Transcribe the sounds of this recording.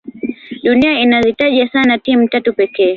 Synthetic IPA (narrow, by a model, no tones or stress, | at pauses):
ɗuniainazitaʄasanatim̩tatupɛkɛː